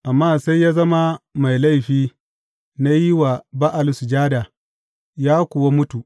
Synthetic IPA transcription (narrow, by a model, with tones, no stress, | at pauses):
ʔa˨mːaː˦˨sa˦jːaː˦zɐ˦ma˦ma˨jla˦jɸiː˦ | na˦ji˦wa˨ba˦ʔa˨lsu˨d͡ʒaː˦da˨ | jaː˦kʷʊ˨wa˦mʊ˦tu˨ʔ